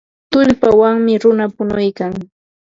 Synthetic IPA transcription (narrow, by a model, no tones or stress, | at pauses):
t̪ʊʎpawaŋmɪɾʊnapʊnʊjkaŋ